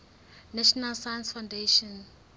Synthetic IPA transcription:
nɛʃɔnalsajansfawndeʃɔ̃n

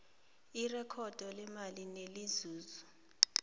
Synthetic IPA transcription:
irɛkʰɔd̥ʱɔlɛmalinelizuːzɔ

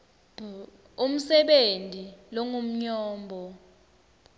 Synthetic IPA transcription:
um̩sɛɓentʼilɔŋum̩ɲɔːmbʱɔ

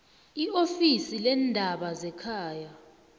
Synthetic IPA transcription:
iʔofisilɛndʱaɓazɛkʰaːja

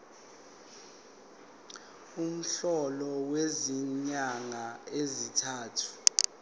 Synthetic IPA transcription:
um̩ɬɔlɔweziɲaŋaezitʰaːtʰu̥

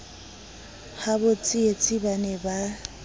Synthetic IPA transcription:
habʊt͡sʼɪet͡sʼibanɛba

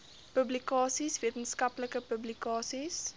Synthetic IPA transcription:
pəblikɑːsisviətənskɐpləkəpəblikɑːsis

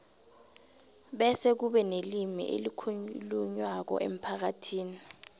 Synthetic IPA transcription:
ɓɛsɛk̬uɓɛnelimḭʔḛlikʰuluɲwak̬ɔ̰ʔḛm̩pʰak̬atʰiːni

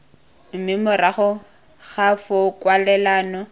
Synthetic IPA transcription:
m̩mɪmʊraχʊ | χafʊkwalɛlaːnɔ

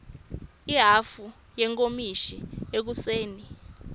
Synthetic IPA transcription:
iɦafu | jɛŋkʼomiʃiek̬useːni

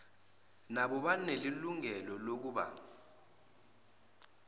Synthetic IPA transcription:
naɓɔɓaneliluŋɛlɔlok̬uːɓa̰

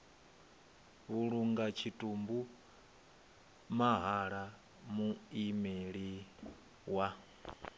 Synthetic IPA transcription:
βuɺuŋɡat͡ʃʰitʼumbu | maɦaɺa | muimeɺi | wa

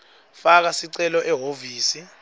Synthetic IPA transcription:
fak̬asiǀɛlɔʔɛɦoviːsi

